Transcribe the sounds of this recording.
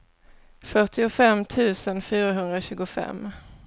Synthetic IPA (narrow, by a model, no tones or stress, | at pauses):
fœʈɪʊfɛmːt̪ʰʉ̟ːsənfyːɾaɦɵnd̪ɾaɕʉ̟ːɡʊfɛ̰mː